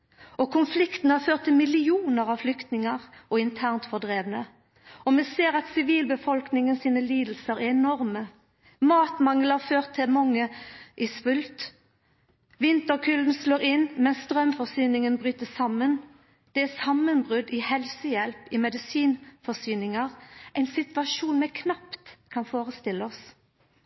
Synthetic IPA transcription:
ɔkʰʊnflɪkt̪n̩hɑføːt̪ʰːɪlmɪlɪuːnəɾɑʋflʏkt̪nɪŋəʁɔɪnt̪ʰæːʁnt̪fɔʁd̪ʁeːʋnə | ɔmɛseːʁɑt̪sɪʋiːlbəfɔlknɪŋənsiːnəliːd̪l̩səɾæɾɛnɔʁmə | mɑːt̪mɑŋlɑføːʁt̪ʰːɪlmɑŋːəʔɪsʋʉlt̪ | ʋɪnt̪əʁkʰʉld̪n̩sloːɾɪnːmɛnst̪ʁœmfɔsyːnɪŋənbʁyːt̪əsɑmən | d̪̥ɛæsɑmːənbʁʉd̪ɪhɛlsəjɛlpɪmɛd̪ɪsiːnfɔsyːnɪŋɑʁʔɛɪnsɪt̪ʋɑʂuːnmɛkʰnɑpt̪kʰɑnfoːʁəst̪ɪlːəɔs

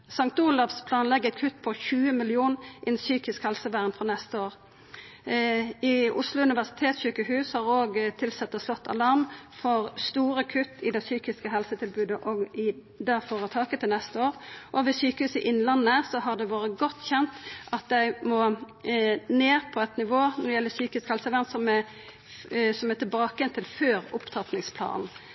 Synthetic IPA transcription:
sɑŋk̚t̪uːlɑfspʰlɑːnlɛɡːɛt̪kʰʉt̪ːpʰɔçʉːəmɪlɪuːnʔɪɛnsyːkɪskhɛlsəʋæːʁnfʁɔnɛst̪əoːʁ | ɪʊslʊʉnɪʋæʁsɪ̥t̪ʰeːt̪sɕyːkəhʉːshɑʁoːɡt̪ʰɪlsɛt̪ːəslɔt̪ʰːɑ̰lɑʁmfɔʁst̪uːʁəkʰʉt̪ːɪd̪ɛsyːkɪskəɦɛlsət̪ʰɪlbʉːd̪əʔɔɡɪ | d̪ɛfoːʁət̪ʰɑːkət̪ʰɪlnɛst̪əoːɾʁʔɔʋɪsyːkəhʉːsɪʔɪnːlɑnːəəəsɔɦɑʁd̪ɛʋɑːɾəɡɔt̪ːçɛnt̪ʔɑt̪̚d̪æɪmɔ | neːʁpʰɔɛt̪nɪʋoːnɔd̪ɪjɛlːəsyːkɪskhɛlsəʋænsɔmɛ | sɔmɛt̪ɪlbɑːkəɛnt̪ʰɪlføːʁʊpt̪ʰɑt̪nɪŋspʰlɑ̰ːnn̩

